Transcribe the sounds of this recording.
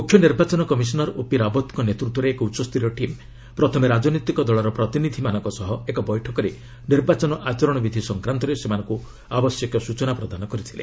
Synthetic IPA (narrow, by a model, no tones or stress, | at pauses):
mukʰjɔniɾbat͡ʃɔnɔkɔmis̬ɔnɔɾopiɾabɔt̪ɔŋkɔnet̪ɾut̪ːwɔɾeːkɔutːʃɔst̪ʰiɾɔʈim | pɾɔt̪ʰɔmeɾad͡ʒɔnɔt̪ikɔd̪ɔɭɔɾɔpɾɔt̪inid̪ʱimanɔŋkɔsɔɦɔekɔbɔjʈʰɔkɔɾe | niɾbat͡ʃɔnɔʔat͡ʃɔɾɔɽ̃ɔbid̪ʱisɔŋkɾant̪ɔɾesemanɔŋku | abɔsjɔkjɔsut͡ʃɔnapɾɔd̪ʱanɔkɔɾit̪ʰilḛ